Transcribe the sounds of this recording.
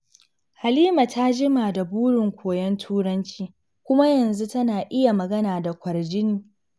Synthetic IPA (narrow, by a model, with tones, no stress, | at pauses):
ha˨liː˦ma˨tʰa˦d͡ʒɪ˦maː˨da˨buː˦ɽɪ˨ŋkʷoː˨jɛ˦ntʰuː˦ɽɐ˦nt͡ʃiː˦ | kʷʊ˦ma˦jɐ˨nzu˦tɐ˦naː˨ʔɪ˦ja˨mɐ˨ɡɐ˦naː˨da˨kʷɐ˨rd͡ʒɪ˦niː˦